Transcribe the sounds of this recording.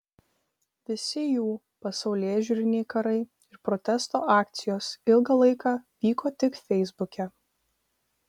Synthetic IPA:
ʋʲɪsʲɪjuː | pɐsɒʊlʲeːʒʲuːɾʲɪnʲɛɪkɐɾɐɪ | ɪɾpɾɔt̪ʲɛst̪oːʔɑːkt̪sʲɪjoːsɪlˠɡɐlˠɐɪkɑʋʲiːkoːt̪ʲɪkfʲɛɪzbʊkʲɛ

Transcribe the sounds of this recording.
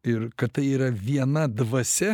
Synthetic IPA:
ɪɾkɐt̪̚t̪ɐɪiːɾɐʋʲiɛnɐd̪ʋɐsʲɛ

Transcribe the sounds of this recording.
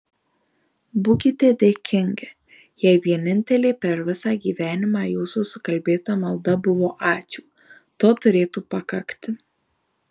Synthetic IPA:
bʊkʲɪt̪ʲeːd̪ʲeːkʲɪŋʲɡʲɛ | jɛɪʋʲiɛnʲɪnʲt̪ʲɛlʲeːpʲɛɾʋʲɪsɑːɡʲiːʋʲæːnʲɪmɑːjuːsuːsʊkɐlʲbʲeːt̪ɐmɐlˠd̪ɐbʊʋoːʔɑːt͡ʃʲuː | t̪oːt̪ʊɾʲeːt̪uːpɐkɐkt̪ʲɪ

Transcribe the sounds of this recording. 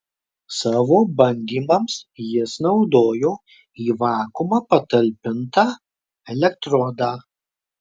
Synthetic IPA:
sɑːʋoːbɐnʲd̪ʲiːmɐmsjɪsnɒʊd̪oːjoː | iːʋɑːkumɑpɐt̪ɐlʲpʲɪnt̪ɑː | ɛlʲɛkt̪ɾɔd̪ɑː

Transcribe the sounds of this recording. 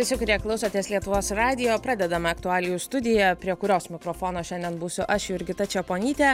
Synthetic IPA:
ʋʲɪsʲɪkʊɾʲeɛklˠɐʊsoːt̪ʲeːslʲiɛt̪ʊʋoːsɾɑːd̪ʲɪjoːpɾɑːd̪ʲɛd̪ɐmɐɐkt̪ʊɑːlʲɪjuːst̪ʊd̪ʲɪjɛpʲɾʲiɛkʊɾʲoːsmʲɪkɾoːfoːnoːʃʲɛnd̪ʲɛnbuːsʲʊʔɐʃjʊɪɾʲɡʲɪt̪ɐt͡ʃʲɛpoːnʲiːt̪ʲɛː

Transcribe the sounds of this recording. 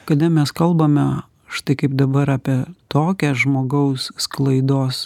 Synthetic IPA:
kɐd̪ɛmʲɛskɐlˠbɐmʲɛ | ʃt̪ɐɪkɐɪpd̪ɐbɐɾɑːpʲiɛt̪oːkʲɛsʒmoːɡɐʊssklˠɐɪd̪oːs

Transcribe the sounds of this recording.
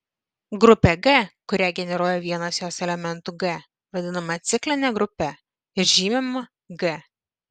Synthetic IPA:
ɡɾʊpʲɛɡɛkʊɾʲæɡʲɛnʲɛɾuɔjɛʋʲiɛnɐsjoːsɛlʲɛmʲɛnt̪uɡɛ | ʋɐd̪ʲɪnɐmɐt̪sʲɪklʲɪnʲɛɡɾʊpʲɛ | ɪɾʲʒʲiːmʲɛmɐ | ɡɛ

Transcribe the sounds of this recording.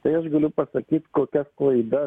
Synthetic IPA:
t̪ɐɪɐʃɡɐlʲʊpɐsɐkʲiːt̪koːkʲɛsklˠɐɪd̪ɐ

